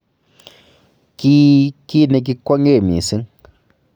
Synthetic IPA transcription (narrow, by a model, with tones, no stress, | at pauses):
ki˦ki˦˨ne˧k̬i˧ko˦ŋe˦˨mḭ˨sɨ˦ŋ